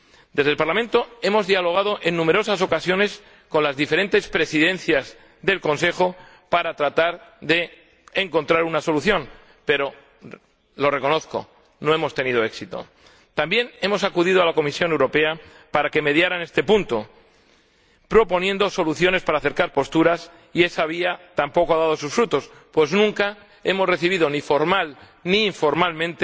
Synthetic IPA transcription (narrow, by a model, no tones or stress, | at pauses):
d̪e̞zðelpaɾlamẽ̞nt̪o̞e̞mo̞zðialo̞ɣ̞að̞o̞ʔe̞nːũme̞ɾo̞saso̞kasjo̞ne̞s | ko̞nlazðife̞ɾe̞nt̪e̞spɾe̞siðẽ̞nθjaz | ðe̞lko̞ns̬e̞xo̞ | paɾat̪ɾat̪aɾðe̞ː | ŋko̞nt̪ɾaɾunaso̞luθjo̞n | pe̞ɾo̞ | lo̞re̞ko̞no̞θko̞̰ | no̞e̞mo̞st̪e̞nið̞o̞e̞ksit̪o̞̰ | t̪ambje̞ne̞mo̞sakuð̞iðoalako̞misjo̞ne̞wɾo̞pe̞a | paɾake̞me̞ðjaɾane̞st̪e̞punt̪o | pɾo̞po̞nje̞nd̪o̞so̞luθjo̞nespaɾaːθe̞ɾkaɾpo̞st̪uɾas | ie̞saβ̞iat̪ampo̞koaðað̞o̞susfɾut̪o̞s | pwe̞znũŋka | e̞mo̞zre̞θiβ̞iðo̞nifo̞ɾmal | niːɱfo̞ɾmalmẽ̞nt̪e